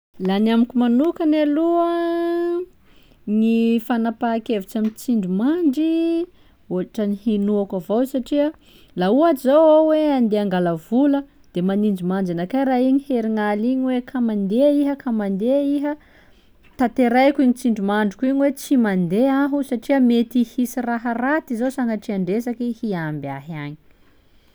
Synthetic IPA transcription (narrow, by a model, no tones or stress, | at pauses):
lanamikʲumanukanaluə | ŋifanapakevit͡ʃamint͡siɳɖ͡ʐumaɳɖ͡ʐi | oaʈ͡ʂənihinuakavosaʈ͡ʂiə | lauazawaweand̪eaŋɡalavulə | d̪̥emanind͡ʒimand͡ʒanakajɾaiɲiheɾiŋaliɲiwekʰamand̪eiɦəkʰamand̪eiɦə | t̪at̪eɾajkʲiɲit͡siɳɖ͡ʐumaɳɖ͡ʐikʲuiɲiwet͡simand̪eaɦusaʈ͡ʂiəmet̪ihisiraɦərat̪izosaŋaʈ͡ʂiaɳɖ͡ʐesakihiambia̰ɦaɲi̥